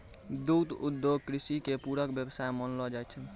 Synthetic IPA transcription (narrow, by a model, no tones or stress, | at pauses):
d̪ud̪ud̪ːjoɡ̚kɾisikepuɾəkbjəbsajmənlɔd͡ʒajt̪t͡ʃʰə